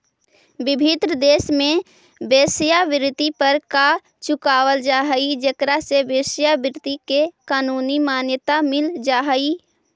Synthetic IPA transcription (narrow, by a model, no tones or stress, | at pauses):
bɪbʱɪt̪ɾəd̪eːsmẽ | beːsjabɪɾt̪ipəɾka | t͡ʃʊkaːwəld͡ʒaːɦəid͡ʒəkɾasebeːsjabɪɾt̪ikekaːnuːnimaːnjət̪amɪld͡ʒaːɦəi